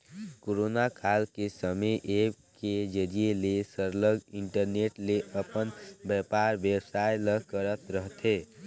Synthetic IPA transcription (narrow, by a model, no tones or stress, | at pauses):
koɾonakʰalkesəməʔeked͡ʒəɾielesəɾləɡiɳʈəɾneʈleʔəpənbjəpaɾbəbsajləkəɾət̪ɾəɦt̪ʰe